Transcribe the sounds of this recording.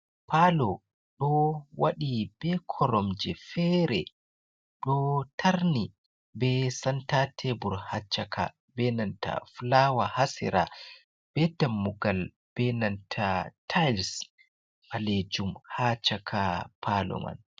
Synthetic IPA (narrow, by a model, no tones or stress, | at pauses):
pʰalɔ | ɗɔwaɗib̥ɛkʰɔɾɔmd͡ʒɛfɛɾɛ | ɗɔtʰaɾni | bɛsantatʰɛbuɾhat͡ʃːakʰa̰ | bɛnanta̰flawahasɛ̰ɾa̰ | b̥ɛdamːuɡal | b̥ɛnantʰatʰals | ʔaled͡ʒumhat͡ʃakʰapʰalɔ̰ma̰n